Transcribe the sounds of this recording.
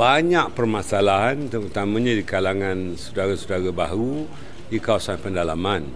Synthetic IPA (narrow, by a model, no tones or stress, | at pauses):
baɲaʔpərmãsalaɦant̪əɾut̪amãɲãdikalaŋãnsədaɾasədaɾabaɦɾu | dikawasanpəndalaman